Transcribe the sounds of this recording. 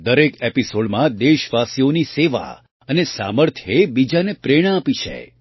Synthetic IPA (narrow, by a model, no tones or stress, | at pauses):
d̪əɾekepisoɽmãd̪eʃʋasijoniseʋa̰ | ənesa̰məɾt̪ʰjebid͡ʒanepɾeɽ̃aapit͡ʃʰḛ